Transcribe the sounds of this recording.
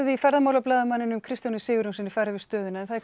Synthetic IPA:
vɪifɛɾðamaːwlaplaːðamanːɪnʏmkʰɾɪst̪janɪ̥sɪːɣʏɾunsɪnːɪfaɾɪvɪst̪œːðʏnaɛnθað

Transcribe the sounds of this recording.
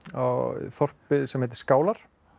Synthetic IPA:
aθɔr̥pɪsɛmheːt̪ɪ̥skaːwlaɾ̥

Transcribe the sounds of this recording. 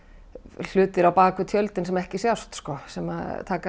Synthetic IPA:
l̥ʏːt̪ɪɾawpaːkʏt̪ʰjœlt̪ɪnsɛmɛhcɪsjawst̪skɔsɛma̰ðt̪ʰaːka

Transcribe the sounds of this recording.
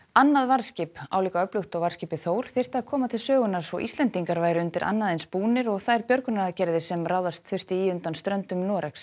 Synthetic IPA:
anːaðvaɾscɪpa̰ːwliːkaœplʏxt̪ɔɣvaɾ̥scɪpɪθoːwɾ̥θɪr̥t̪aðaðkʰɔːmat̪ʰɪlsœːɣʏnaɾ̥svɔ̰ʔist̪lɛnt̪iŋkaɾvaːjɾɪʏnt̪ɪɾʔa̰nːaðejnspuːnɪɾɔɣθajɾpjœɾkʏnaaðcɛɾðɪsɛmrawðast̪θʏr̥t̪ɪiːʏnt̪anst̪ɾœnt̪ʏmnɔːɾɛks

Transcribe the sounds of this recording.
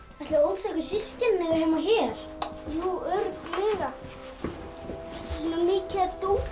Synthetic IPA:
ɛht̪laoːwθʰɛkʏsɪscɛnːɛɣvɪɾhɛːmaçɛɾ̥ | juːœɾklɪːɣa | sɔnamɪːcat̪u

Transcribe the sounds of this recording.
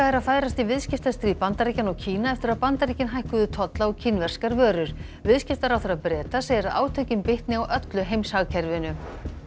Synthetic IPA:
aɛɾaðfaːjɾast̪ivɪðscɪft̪ast̪ɾiːpant̪aɾicanɔɣcʰiːnaɛft̪ɪɾaðpant̪aɾicɪnɦajhkʏðʏt̪ʰɔt̪laɔɣcʰɪnvɛr̥skaɾvœːɾʏɾ̥ | vɪðscɪft̪aɾawθɛɾaðpɾɛːt̪asejɛɾaðaːwt̪ʰœɥcɪmpɪht̪nɪawʔœt̪lʏɦejmshaɣcʰɛɾvɪnʏ

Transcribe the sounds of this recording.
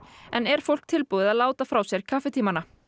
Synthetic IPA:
ɛnɛɾ̥fowl̥k̚t̪ʰɪlpuðɪðaðlaːwt̪afɾawsjɛɾ̥kʰafɛt̪ʰiːmana

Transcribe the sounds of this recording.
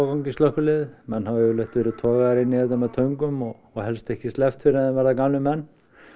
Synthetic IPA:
wkawɲcɪst̪lœhkʏlɪðmɛnːhavɛʏlɛht̪vɛːɾɪt̪ʰɔːɣaðaɾɪnːiɪɛt̪amat̪ʰœɥŋkʏmɔɣ | ɔɣhɛlst̪ɛhcɪst̪lɛft̪fɪɾaðɛnvɛːɾðakanlɪmɛnː

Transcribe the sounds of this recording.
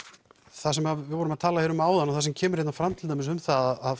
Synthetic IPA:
θas̬ɛmavɪðvɔːɾʏmaðt̪ʰaːlaɛɾʏmaːwðanawθasɛmcʰɛːmʏɾejtnanfɾamt̪ʰɪlt̪ajmɪnsʏmθaðaað

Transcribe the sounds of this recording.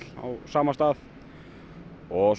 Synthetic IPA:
la̰wsaːmast̪aːð | ɔs

